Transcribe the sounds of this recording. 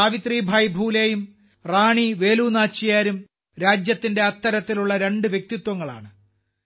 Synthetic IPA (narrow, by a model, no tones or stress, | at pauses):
aːʋit̪riːbʱajbʱuːlejum | raːɳiʋe̞ːluːnaːt͡ɕːijaːɾum | ɾaːd͡ʑjɐt̪ːinde̞ɐt̪ːɐɾɐt̪ːiluɭːɐɾe̞ɳɖɨʋjek̚t̪it̪wɐŋːɐɭa̰ːɳɨ